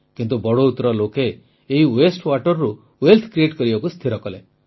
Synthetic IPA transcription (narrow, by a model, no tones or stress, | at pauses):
kint̪ubɔɽout̪ɔɾɔlokeː | ɦiwesʈwaʈɔɾːu | welt̪ʰkɾieʈkɔɾibakust̪ʰiɾɔkɔle